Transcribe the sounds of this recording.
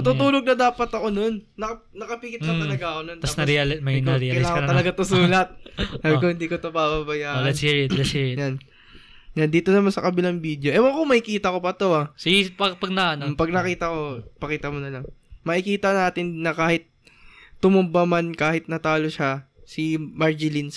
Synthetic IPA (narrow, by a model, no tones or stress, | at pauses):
mɐt̪ut̪uːloɡ̚nɐd̪aːpɐt̪ɐko̞no̞nːɐ | nɐkɐpikɪt̪̚ːɐt̪ɐlɐɡaɐkonont̪ɐasnɐɾɛlmɐnɾɛɐlɪak̪ɐlɐɡat̪osuːlɐt̪̚saːbɪkohɪnd̪iːkot̪obababɐjaːʔlɐt̪iɛt̪lɐsijan | jand̪iːt̪onɐmansɐkɐbɪlaŋbid̪jo̞ʔɛmokomɐʔɪkiːt̪ɐko̞pɐt̪o̞asɪipɐpɐɡ̚nɐanmmpɐɡ̚nɐkiːt̪ɐko̞pɐkiːt̪ɐmonɐlɐŋmɐʔɪkiːt̪ɐnaːt̪ɪnːɐkaːhɪt̪̚ː | ʊmʊmbɐmankaːhɪt̪̚nɐt̪aːloʃasɪmɐɹd͡ʒɪlins